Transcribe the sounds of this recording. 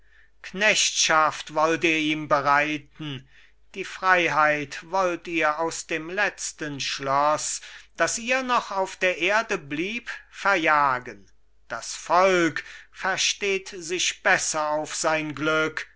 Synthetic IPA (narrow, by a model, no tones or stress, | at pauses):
knɛʃtʃaftvɔlteːɐiːmbəʁaɪtn̩ | d̥iːfʁ̥aɪɦaɪtvɔltiːɐaʊsd̥eːmlɛt͡stənʃlɔsd̥asʔiːɐnɔχaʊfd̥eːɐʔeːɐdəbliːpfɛɐjaːɡən | d̥asfɔlkfɛɐʃteːtzɪʃb̥ɛsɐaʊfz̥aɪnɡlʏk